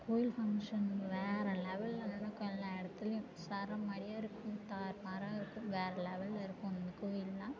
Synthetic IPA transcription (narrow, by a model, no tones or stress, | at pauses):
koːjɪlfɐŋʂɐnʋeːɾɐlɛʋɐlːɐnɐnːɐkoːjɪlːãːɛɽɐt̪ːɪlɐjʊ̃ | sɐɾɐmɐɽɪjaːɪɾɯkːʊ̃t̪aːɾmaːɾaːɪɾɯkːʊ̃mʋeːɾɐlɛʋɐlːɐɪɾɯkːʊ̃nd̪ɯkoːjɪlːãː